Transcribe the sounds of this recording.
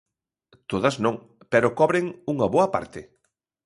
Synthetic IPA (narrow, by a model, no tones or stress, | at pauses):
t̪oð̞ɐznõŋ | pɛɾokɔβɾeŋuŋɐβoɐpa̰ɾt̪ɪ